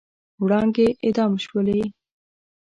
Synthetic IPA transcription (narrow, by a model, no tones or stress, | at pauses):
wɽɑŋɡeʔɪd̪ɑmʃwəle